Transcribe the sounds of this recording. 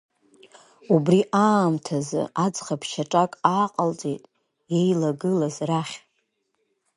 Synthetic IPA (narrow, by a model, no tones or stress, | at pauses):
ubriʔaːmtʰazɨ̰ad͡zχapʰʃaʈ͡ʂʼakʼaːqʼəlt͡sʼejtʼ | jejlaɡɨlazraχʲ